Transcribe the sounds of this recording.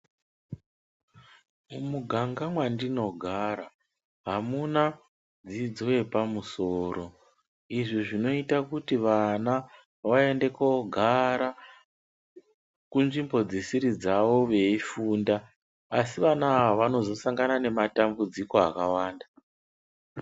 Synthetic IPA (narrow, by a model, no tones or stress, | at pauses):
mumuɡʱaŋɡamwandino̞ɡʱaɾa | ɦamuna | d͡zid͡zo̞je̞pamuso̞ːɾo̞ | iʐiʐino̞itakutiʋana | ʋae̞nde̞koɡʱaɾa | kunʐimbo̞d͡zesiɾid͡zaʋo̞ʋe̞ifuːndaː | siʋanaaʋano̞zo̞saŋɡanane̞matambud͡ziko̞a̰kawaːnda